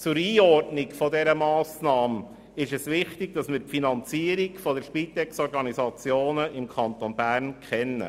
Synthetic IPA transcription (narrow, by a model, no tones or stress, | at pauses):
t͡sʊɾiːɔrtnɪkfɔdɛɾəmɑːsnɑːm | ɪʃɛsʋɪχtɪɡ̚d̥ɑsmɪːɾpfinɑnt͡siəɾikfɔdəʃpit̪ɛksɔɾɡɑnisɑt͡sjoːnəʔɪmkʰɑnt̪onbæːɾnkʰχɛnːə̰